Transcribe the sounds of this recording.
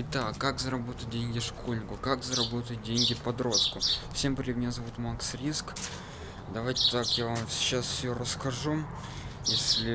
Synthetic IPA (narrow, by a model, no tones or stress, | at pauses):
ɪt̪akːakzəɾɐbo̞t̪ət̪̚ʲdʲenʲɡʲɪʂko̞lʲnʲɪkʊkakzəɾɐbo̞t̪ət̚ʲdʲenʲɡʲɪpɐd̪ɾo̞st̪̚kʊfsʲe̞mpɾʲmʲɪnʲazɐvut̪maksɾʲisk | d̪ɐvajtʲɪ̥t̪akjavamɕasfʲsʲoɾəskɐʐu | jesʲlʲɪ